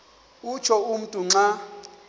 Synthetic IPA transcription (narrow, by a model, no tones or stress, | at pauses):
ut͡ʃʰɔum̩tʼuŋ͡ǀa